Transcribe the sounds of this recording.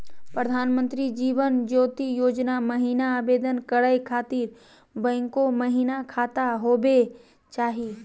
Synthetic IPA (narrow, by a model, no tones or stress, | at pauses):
pɾəd̪ʱaːnmə̃nt̪ɾid͡ʒiːʋənd͡ʒoːt̪ijoːd͡ʒnaməɦiːnaːbeːd̪ənkəɾəjkʰaːt̪iːɾ | bɛ̃ːŋkoməɦiːnakʰaːt̪aɦoːbe | t͡ʃaːɦi